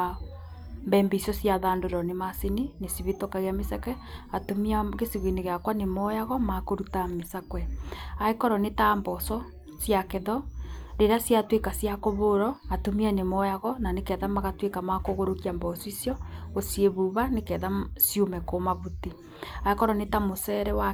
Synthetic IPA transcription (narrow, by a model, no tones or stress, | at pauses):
mbɛːmbeisjɔsjaðaːndoɾɔnemaseninesiβetokaɣeamesakwɛ | atomiaɣesiɣweneɣeakwanemɔjaɣɔmakoɾutamesakwɛaekɔɾɔnetambɔsɔ | sjakeðɔɾeɾasjatwekasjakoβoɾɔatomianemɔjaɣɔnanekɛðamaɣatwekamakoɣoɾokiambɔsisjɔosjeβuβanekɛðasjomɛkomaβuti | aekɔɾɔnetamosɛɾɛwa